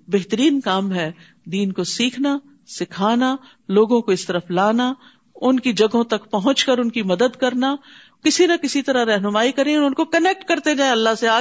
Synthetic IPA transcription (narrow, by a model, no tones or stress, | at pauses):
beɦt̪əɾiːnkaːmɦɛː | d̪iːnkosiːkʰna | sɪkʰaːna | loːɡõkoɪst̪ɐɾəflaːna | ʊnkid͡ʒɐɡõt̪ɐkpɐɦʊ̃t͡ʃkɐɾʊnkimɐd̪əd̪kɐɾna | kɪsinakɪsit̪ɐɾaɾɛɦnʊmaːikɐɾẽʊnkokɐnek̚ʈkɐɾt̪ed͡ʒaːẽɐlːaseaː